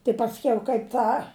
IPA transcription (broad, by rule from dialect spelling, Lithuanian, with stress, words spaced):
tɐɪ pɐsʲˈkʲɛʊ kɐɪp ˈtɑː